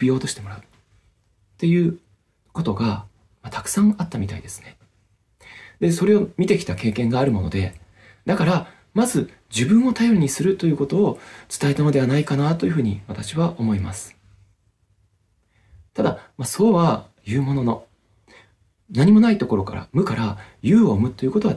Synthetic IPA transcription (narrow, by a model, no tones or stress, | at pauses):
pʲijo̞ːt̪o̞ɕi̥t̪e̞mo̞ɾaɯ̟ | t̪e̞jɯ̟ː | ko̞t̪o̞ɡa | mat̪ḁkɯ̟̥sãŋat̪ːamʲit̪aid̪e̞sɨ̥ne̞ | d̪e̞so̞ɾe̞o̞mʲit̪e̞kʲi̥t̪ake̞ːkẽ̞ŋɡaːɾɯ̟mo̞̰no̞̰d̪e̞ | d̪akaɾa | mazɨ | d͡ʑɨbɯ̟̃ɰ̃o̞t̪ajoɾi̟ɲ̟isɨɾɯ̟t̪o̞jɯ̟ko̞t̪o̞ːt͡sɨ̥t̪ae̞t̪ano̞d̪e̞β̞anaikanat̪o̞jɯ̟ɸɯ̟ːɲ̟iβat̪aɕiβaʔo̞mo̞imasɨ̥ | t̪ad̪amaso̞ːβa | jɯ̟ːmo̞no̞no̞ | naɲ̟imo̞nait̪o̞ko̞ɾo̞ka̰ɾa̰mɯ̟kaɾajɯːoːmɯ̟t̪ːo̞jɯ̟ko̞t̪o̞βa